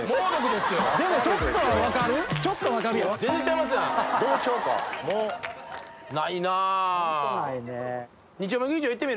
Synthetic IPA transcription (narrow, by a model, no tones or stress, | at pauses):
moːnakɯd̪esɨd̪e̞mot͡ɕot̪ːoakaɾɯ̟t͡ɕot̪ːoβakabʲiaẽnzẽt͡ɕaimas̬ɨãd̪o̞ːɕo̞ːka̰moː | nainaː | ine | ɲ̟it͡ɕiomẽɡɯɲit͡ɕioit̪ːemiɾ